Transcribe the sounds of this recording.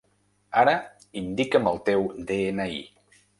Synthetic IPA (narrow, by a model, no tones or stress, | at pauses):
aɾə | ind̪ikəməlˠt̪ewd̪eenəḭ